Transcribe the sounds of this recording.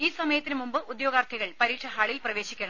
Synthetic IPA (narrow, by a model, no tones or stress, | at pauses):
iːsɐmɐjɐt̪ːinɨmumbɨud̪joːɡaːrt̪ʰɐɣɐɭpɐɾiːkʂɐɦaːɭilprɐʋe̞ːɕikʲːɐɳɐ